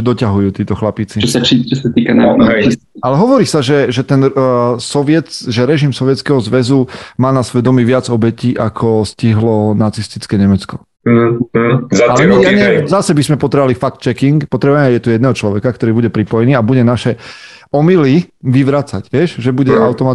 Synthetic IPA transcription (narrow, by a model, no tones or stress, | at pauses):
d̪ɔcaɦujuːt̪iːt̪ɔxlapit͡sit͡ʃɔsat͡ʃit͡ʃɔsat̪iːkananais | alɛɦɔʋɔɾiːsaʒɛʒɛt̪ɛnsɔʋɪɛt̪ʒɛɾɛʒimsɔʋɪɛt͡skɛɦɔzʋɛzumaːnasʋɛd̪ɔmiʋɪad͡zɔbɛciːʔakʰɔsciɦlɔnat͡sist̪it͡skɛɲɛmɛt͡skɔ | alɛɲɛjaɲɛzasɛbizmɛpɔt̪ɾɛʋalifak̚t̪t͡ʃɛkiŋkpɔt̪ɾɛbaɛjɛt̪ujɛd̪nɛɦɔt͡ʃlɔʋɛkak̚t̪ɔɾiːbuɟɛpɾipɔjɛniːabuɟɛnaʃɛɔmiliʋiʋɾaːt͡saɟʋɪɛʃʒɛbuɟɛaʊt̪ɔmat̪